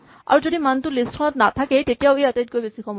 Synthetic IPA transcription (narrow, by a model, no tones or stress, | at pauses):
a̰ɹud͡ʑod̪imant̪ulisʈkʰɔnɔt̪nat̪ʰaket̪etiaweat̪ajt̪̚koibesikʰɔmɔ